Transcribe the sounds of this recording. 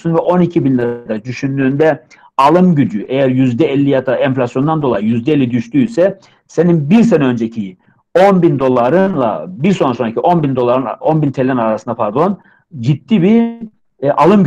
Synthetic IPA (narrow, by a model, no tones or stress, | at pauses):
sunvɛʔo̞nicʰibinlʲɛd̪ad̪yʃynd̪yːnd̪ɛ | alˠɯmɟyd͡ʒyʔɛjæɾjyzd̪ɛɛlʲːijad̪aʔɛɱflʲasjo̞nd̪and̪olˠajijyzd̪ɛelʲːid̪yʃt̪yːsɛ | se̞ninbiɾs̬enɛø̞nd͡ʒecʰiji | o̞nbind̪o̞lˠaɾɯnlˠa̰biɾso̞nɾasoɾacʰiʔo̞nbind̪o̞lˠaɾɯna̰o̞nbint̪ʰelʲɛnaɾasɯnd̪apʰaɾd̪o̞n | d͡ʒid̪ːiːbi | ʔalˠɯm